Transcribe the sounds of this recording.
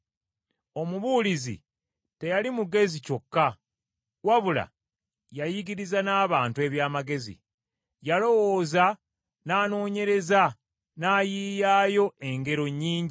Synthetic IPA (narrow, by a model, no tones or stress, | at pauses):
o̞muβuːlizḭ | te̞jalimuɡe̞zico̞kːa | waβula̰ | jajiɡiɾizanaːβaːntue̞βjaːmaɡe̞zḭ | jalo̞wo̞ːza | naːno̞ːɲe̞ɾe̞za | naːjiːjaːjo̞e̞ŋɡe̞ɾo̞ɲːiːɲɟi